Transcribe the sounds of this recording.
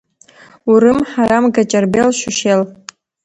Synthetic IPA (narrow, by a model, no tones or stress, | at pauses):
uɾɨmħaɾamɡat͡ʃʼɐrbelʃʷʊʃel